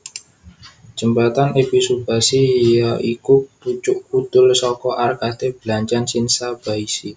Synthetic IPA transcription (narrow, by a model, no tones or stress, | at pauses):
d͡ʒ̥ə̤mbat̪anepisub̥a̤siaʔikuput͡ʃʊʔkut̪ʊlsɔkɔʔarkat̪eb̥əlaɲt͡ʃansinsab̥aisi